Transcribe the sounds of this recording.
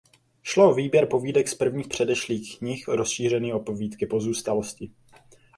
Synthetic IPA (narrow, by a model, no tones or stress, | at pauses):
ʃlooviːbjɛɾpo̞viːdɛkspr̩vɲiːxpr̝̥ɛdɛʃliːxɲɪxɾo̞sʃiːr̝ɛniːʔopoviːt̪kɪpo̞zuːst̪alo̞scɪ